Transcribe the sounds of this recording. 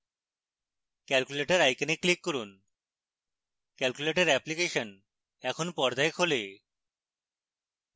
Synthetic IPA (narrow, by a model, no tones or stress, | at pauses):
kɛlkuleʈaɾajkeneklikːoɾun | kɛlkuleʈeɾɛplikeʃon | ɛkʰonpɔɾd̪aekɦole